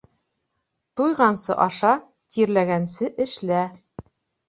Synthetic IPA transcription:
t̪ujʁɑnsɤ̰ʔɑʃɑ | t̪iɾlæɡænsɘʔɘ̆ʃlæ

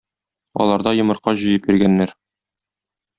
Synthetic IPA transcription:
ɒ̰lˠɑɾd̪ɑjŏmɤ̆ɾqɑʑɤ̆jɤpiɾɡænːæɾ

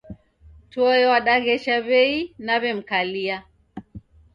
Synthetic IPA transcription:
twɔjɔwaɗaɣɛʃaβɛinaβɛm̩kalia

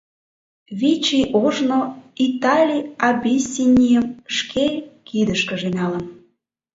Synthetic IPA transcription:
βit͡ɕiʔoʒnoit̪ɑlʲiɑbʲisʲinʲijəmʃkʰekid̪əʃkə̆ʒenʲɑlə̆m

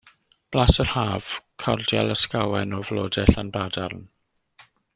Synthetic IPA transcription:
b̥lasər̥haːv̥kʰɔ̰rdja̰lˠəskawanɔvlɔːdɛɬanbrada̰rn

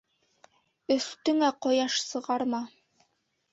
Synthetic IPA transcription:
ɵ̆θt̪ɵ̆ŋæqɒjɑʃsɤ̆ʁɑɾmɑ

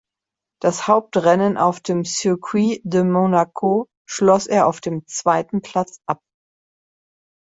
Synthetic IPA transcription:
d̥ashaʊp̚tʁɛnənʔa̰ʊfd̥eːmsykʰwidəmonakʰo | ʃlɔseːɐaʊfd̥eːmt͡sv̥aɪtn̩pʰl̥at͡sʔap̚

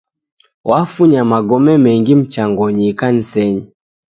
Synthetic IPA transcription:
wafuɲamaɡɔmɛmɛŋɡim̩t͡ʃaŋɡɔɲikan̩sɛɲi

